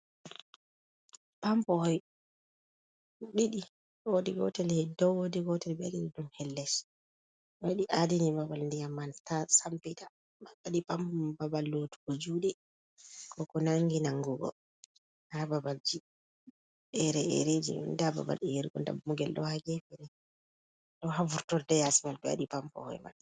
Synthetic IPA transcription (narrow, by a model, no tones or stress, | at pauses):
pampɔhɔj | ɓiɗi | odiɡɔ̰tɛlhɛdɔwodiɡɔtɛlbadinidumhɛlːɛs | aɗiʔadinibabalndɛjamːantasampita | maɓaɗipampbabalːotu̥kod͡ʒudɛ | kɔkɔnaŋɡinaŋɡuɡɔ̰ | hababald͡ʒi | ɛɾɛʔɛ̰ɾed͡ʒḭdaba̰ba̰lɛjiɾɡɔ̰nda̰bmuɡɛlɗɔ̰haɡɛfɛnɛ | ɗɔɦavuɾtɔldɛjasimalbɛa̰ɗipampɔ̰hɔ̰jma̰n